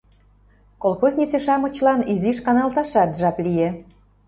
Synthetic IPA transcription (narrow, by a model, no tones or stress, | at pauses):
kolˠxoznʲit͡seʃɑmŏt͡ɕlɑniziʃkɑnɑlt̪ɑʃɑt̪ʒɑplije